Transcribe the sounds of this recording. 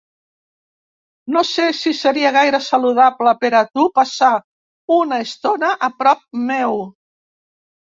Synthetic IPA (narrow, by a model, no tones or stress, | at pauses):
nosesisəɾiəɣ̞ajɾəsaluðapləpeɾat̪upasa | unaest̪onəʔəpɾɔp̚mew